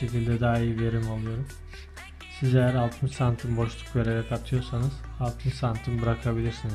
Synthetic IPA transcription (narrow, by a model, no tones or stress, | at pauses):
e̞cilʲd̪ɛd̪aːijive̞ɾimalˠɯjo̞ɾum | size̞jæɾalˠt̪ʰɯnsant̪ʰɯmbo̞ʃlˠu̥kve̞ɾe̞ɾɛkat̪ʰɯjo̞ɾsanɯz̥alˠt̪ʰɯnsant̪ʰɯmbɯɾakʰabilʲiɾsiniz̥